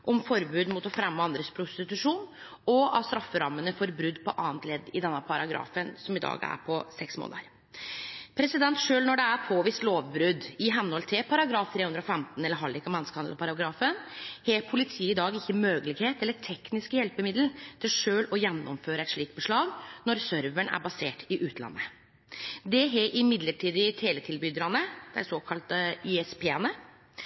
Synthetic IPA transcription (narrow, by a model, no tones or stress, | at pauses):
ʔɔmfɔɾbʉːd̪mʊt̪ɔfɾɛmːəɑnd̪ɾəspʰɾʊst̪ɪt̪ʉʂuːn | ɔɑ̰ʋst̪ɾɑfːəɾɑmːənəfɔɾbɾʉd̪ːpʰɔʔɑːnt̪lɛd̪ːɪd̪ɛnːəpʰɑɾɑɡɾɑ̰ːfənsɔmɪd̪ɑ̰ːɡæ̰ɾpʰɔsɛksmo̰ːnəɾ | pʰɾɛsɪd̪ɛnt̪ʂøːlnɔɖɛæɾpʰoːʋiːst̪loːʋbɾʉd̪ɪɦɛnːɔlt̪ʰɛpʰɑɾɑɡɾɑːft̪ʰɾeːhʉnd̪ɾɔfɛmt̪n̩ɛlːəɾɦɑlɪkːɑmɛnəskəhɑnpʰɑɾɑɡɾɑːfənheːpʰʊlɪt̪ʰiːɪd̪ɑːɡɪçːəmøːɡəlɪɡheːt̪ɛlːəʈʰɛknɪskəjɛlpəmɪd̪l̩t̪ʰɪlʂøːlɔjɛnːɔ̰mføːɾəɛt̪ʂɭiːk̚t̪̚bəʂɭɑːɡnɔɾsœɾʋəɳæ̰ɾbɑseːʈɪʔʉːt̪ʰlɑ̰nːə | d̪ɛɦeːʔɪmɪd̪ləʈʰiːd̪ɪt̪ʰeːlət̪ʰɪlbʏd̪ɾɑnəd̪̥ɛæ̰ɾsoːkʰɑlt̪əiɛspʰeːɛnə